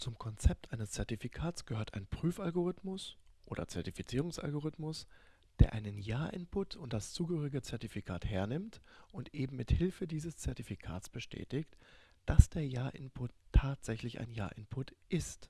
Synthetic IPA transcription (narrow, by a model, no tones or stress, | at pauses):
t͡sʊmkʰɔnt͡sɛp̚tʰʔaɪnəst͡sɛɐtifikʰaːtt͡sɡ̥əhøːɐta̰ɪnpʁ̥yːfalɡoʁ̞ɪtmʊsʔoːdɐ̰t͡sɛɐtifit͡siːʁʊŋsʔa̰lɡoʁɪtmʊs | d̥eːɐʔaɪnənjaːɐʔɪ̰npʰʊtʰʊnt̚d̥ast͡suːɡəhøːʁɪɡət͡sɛɐtifikʰa̰ːtheːɐnɪmtʔʊntʔeːbm̩mːɪthɪlfədiːzəst͡sɛɐtifikʰa̰ːtsb̥əʃtʰɛ̰ːtɪçt | d̥asd̥eːɐjaːɐʔɪ̰npʰʊtʰːaːtz̥ɛçlɪça̰ɪnja̰ːɐʔɪnpʰʊtʔɪst